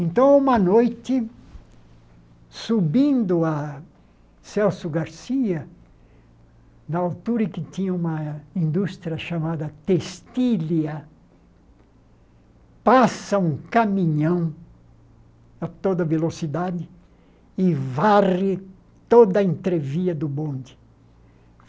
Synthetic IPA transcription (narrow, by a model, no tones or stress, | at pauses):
ẽnt̪ɐ̃w̃ũmɐnojt̪ɪ | subĩnd̪ʊɐ | sɛwsjʊɡaɾsiɐ | nɐawt̪uɾɐɪkɪt̪ĩɲɐũmɐĩnd̪ust̪ɾʲjɐʃamad̪ɐt̪est̪iliɐ | pasɐũkamĩɲɐ̃w̃ | ɐt̪od̪ɐvelosid̪ad̪ɪ | ɪvarɪ | t̪od̪ɐẽnt̪ɾeviɐd̪ʊbõnd̪ɪ̥